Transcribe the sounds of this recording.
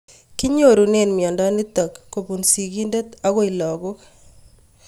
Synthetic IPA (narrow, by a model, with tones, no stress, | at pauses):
kɪ˦ɲo˦˨ɾu˨ne˨nmjɔ˨nda˦ni˦t̪ɔ˨kːo˨pu˨nsi˨ɡi˦nde˦t̪a˦ɣɔ˦ɪlɔ˨ɡʊ˦k